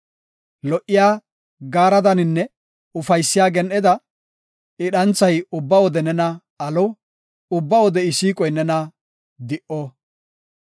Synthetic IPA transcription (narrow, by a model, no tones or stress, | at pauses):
lɔʔːɪjaː | ɡaːɾɐd̪ɐnɪnːɛ | ʊfɐjsːɪjaːɡɛnʔɛd̪ɐ | ɪɗɐnt͡sːɐjʊbːɐwɔd̪ɛnɛnɐ | ɐlɔ | ʊbːɐwɔd̪ɛɪsiːkʼɔjnɛnɐ | d̪ɪʔɔ